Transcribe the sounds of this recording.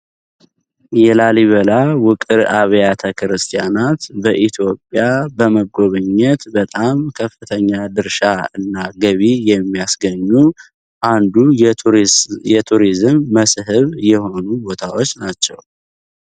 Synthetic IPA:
jɛlaliβəlawʊkʼɨɾaβjat̪ʰəkɾɨst̪ʰijanat̪bəʔit̪ʰjo̞pʼjabəməɡo̞βɨɲːɛt̪bət̪ʼamkʰəfːɨt̪ʰəɲːad̪ɨɾʃaɨnːaɡəβijɛmːijasɡəɲːu | ʔand̪u | jɛt̪ʰuɾizɨmːəsɦɨβjɛho̞nubo̞t̪ʰawo̞t͡ʃːnat͡ʃːɛ̰w

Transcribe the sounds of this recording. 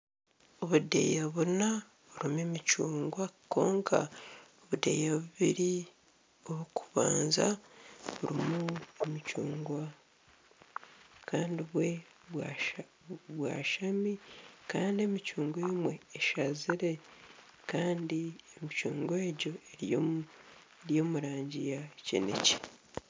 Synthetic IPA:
oβudḛjaβuna | βuɾimemicuːŋɡwakːo̞ːŋkʰa̰oβudḛjaβuβiɾi | oβukuβa̰ːnza̰βuɾimuemicuːŋɡwa | kaːndiβwe̞ | w | βwa̰ːʃamikaːndiemicuːŋɡweːmwe̞ːʃaziɾe̞ | kaːndiemicuːŋɡwe̞ːɟo̞eɾo | eɾjo̞ːmuɾaːɲɟijacḛnḛce̥

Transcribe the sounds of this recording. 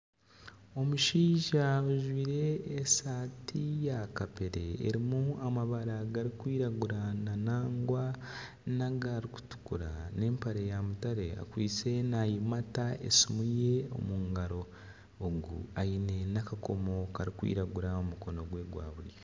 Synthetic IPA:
o̞muʃiːʒaoʒwiːɾe̞ːsaːtʰijakapeɾe̞̰ːɾimuamaβaɾaɡaɾikwiːɾaɡuɾananaːŋɡwa | naɡaɾiku̥tu̥kuɾane̞ːmpaɾejamutaɾe̞a̰kwiːt͡se̞najimataḛsimuje̞o̞̰muːŋɡaɾo̞ː | ɡṵaine̞nakako̞mo̞kaɾikwḭːɾaɡuɾaomuko̞no̞ɡwe̞ːɡwa̰ːβuɾje

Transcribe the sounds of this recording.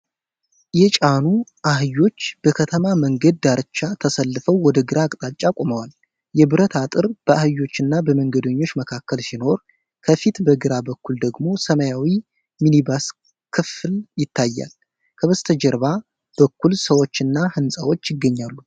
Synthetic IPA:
jɛt͡ʃʼanuʔahɨjːo̞t͡ʃːb̥əkʰət̪ʰəmaməŋɡəd̪̚ːaɾɨt͡ʃːat̪ʰəsəlːɨfəwːɔd̪əɡɨɾaːkʼt̪ʼat͡ʃʼakʼoməwal | jɛbɨɾət̪ʰat̪ʼɨɾb̥əʔahɨjːo̞t͡ʃːɨnːabəməŋɡəd̪əɲːo̞t͡ʃːməkʰakːəlsino̞ɾ | kʰəfit̪bəɡɨɾabəkːuld̪əɡmo̞səmajawi | minibas | kʰɨfɨljɪt̪ʰːajːa̰l | kʰəβəst̪ʰəd͡ʒəɾβa | b̥əkːulsəwo̞t͡ʃːɨnːahɨnsʼawo̞t͡ʃːjɪɡːəɲːalːu

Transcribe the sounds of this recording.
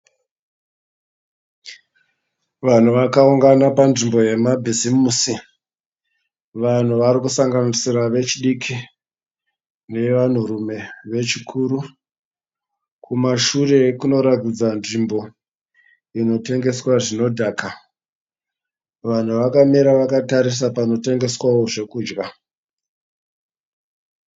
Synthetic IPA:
ʋan̤uʋakauŋɡanapanʐimbo̞je̞mabʱizimusi | ʋan̤uʋaɾikusaŋɡanisiɾaʋe̞t͡ʃiɗikʰi | ne̞ʋan̤urume̞ʋe̞t͡ʃikʰuːɾu | kʰumaʃure̞kuno̞ɾatid͡zanʐimbo̞ | ino̞te̞ŋɡe̞swaʐino̞dʱaːka | ʋan̤uʋakamiɾaʋakataɾis̬apano̞te̞ŋɡe̞swawo̞ʐe̞kuːd͡ʒɡa

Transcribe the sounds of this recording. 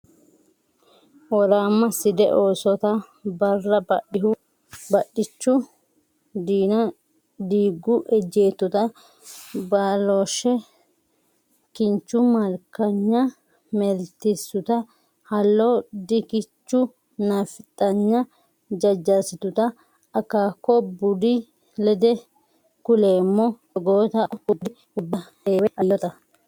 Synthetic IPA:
ɔɾaːmːɐsɪd̪ɛ̰ʔoːsɔt̪ɐ | bɐrːɐbɐʔɪhʊ | bɐɗːɪt͡ʃːʊ | d̪iːnɐ | d̪iːɡːʊʔɛd͡ʒe̞ːt̪ːʊt̪ɐ | baːloːʃɛ | kɪnt͡ʃːʊmɐɾkɐɲːɐ | mɛlt̪ɪsːʊt̪ɐ | hɐlːod̪ɪkɪt͡ʃːʊ | nɐfɪt̪ʼːɐɲːɐ | d͡ʒɐd͡ʒːɐsɪt̪ʊt̪ɐ | ɐkːaːkːɔbʊd̪ɪ | lɛd̪ɛ | kʊle̞ːmːɔ | ɔɡoːt̪ɐʊd̪ɪ | ʊbːɐheːwɛʔɐjːɔt̪ɐ

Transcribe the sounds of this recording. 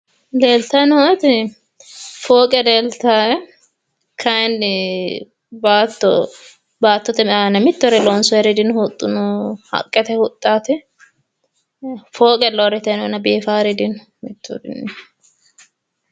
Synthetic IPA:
leːlt̪ɐɪnhɔt̪ɪ | foːkʼɛleːlt̪aːɛ | kʰɐjn | baːt̪ːɔ | baːt̪ːɔt̪ɛmanɛmɪt̪ːɔɾɪlɔnsɔɛɾɪd̪ɪnhʊt̪ʼːʊnʊhɐ̰kʼːɛt̪ɛhʊt̪ʼːaːt̪ɪ | foːkʼɛlɔɾɪt̪ɛnɔnɐbeːfaːɾɪd̪ɪn | mɪt̪ːɔ̰ɾɪ̰n

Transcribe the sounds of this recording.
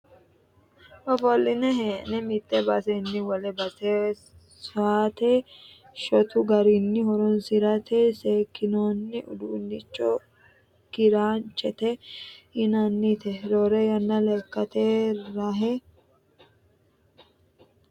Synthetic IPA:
ɔfɔlːɪnɛɦeːnɛmɪt̪ʼːɛbɐsɛnːɪwɔlɛbɐse | saːt̪e | ʃɔt̪ʊɡɐɾɪnːɪhɔɾɔnsɪɾɐt̪ʰeseːkːɪnoːnːɪʔʊ̰d̪uːnːɪt͡ʃʼːɔ | kɪɾaːnt͡ʃʼɛt̪ɛhɪnɐnːɪt̪ɛɾoːɾɛjɐnːɐlɛkːɐt̪eːɾɐɦɛ

